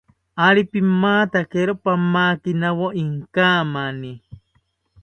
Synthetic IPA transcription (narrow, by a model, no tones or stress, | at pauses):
aɾipimːaːt̪akeɾopamaːkinawoʔiŋkaːmani